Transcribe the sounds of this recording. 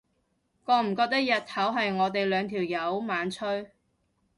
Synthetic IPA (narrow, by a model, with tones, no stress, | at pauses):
kɔː˧˥m̩˨˩kɔː˧k̚t̪ɐ˥k̚jɐ˨t̪̚hɐ˨˥wɦɐ˨jŋɔː˨˧t̪e˨jlœː˨˧ŋt̪ʰiː˨˩wjɐ˨˧˥wmaː˨˥nt͡ʃʰɵ˥ɥ